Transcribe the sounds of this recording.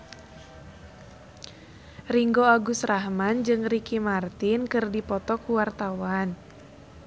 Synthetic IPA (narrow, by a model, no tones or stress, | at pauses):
riŋɡoaɡust̪rahmand͡ʒɨŋrikimart̪inkɨrdipɔt̪ɔkuwart̪awan